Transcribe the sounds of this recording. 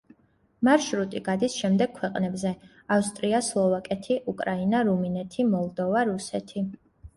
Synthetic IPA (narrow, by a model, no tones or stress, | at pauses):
maɾʃɾut̪ʼiɡad̪isʃɛmd̪ɛɡ̚kʰwɛqʼnɛbzɛ | afst̪ʼɾiaslˠɔvakʼɛt̪ʰiʔukʼɾainaɾuminɛt̪ʰimɔlˠd̪ɔvaɾusɛt̪ʰi